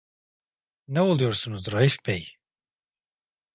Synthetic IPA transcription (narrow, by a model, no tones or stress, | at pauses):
nɛolˠujoɾsunuzɾɑifbɛj